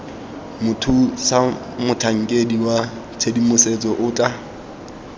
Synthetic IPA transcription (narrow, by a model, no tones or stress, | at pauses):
mʊtʰusa | mʊtʰaŋ̩kʼediwa | t͡sʰedimʊset͡sʼɔʔʊtʼa